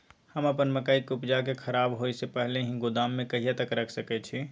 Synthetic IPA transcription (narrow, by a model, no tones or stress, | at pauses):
həməpənməkaikupd͡ʒakekʰəɾaːbɦoisepəɦleɦĩɡʊd̪aːmːẽkəɦijat̪əkɾəkʰsəkɛt͡ʃʰi